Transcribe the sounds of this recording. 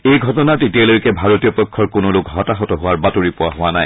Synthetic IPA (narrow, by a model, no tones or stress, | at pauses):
ejɡʱɔtɔnatetialojkɛbʱaɹotijɔpɔkʰːɔɹkonolʊkɦɔtaxɔtɔɦʊwaɹbatoɹipʊaɦʊwanaj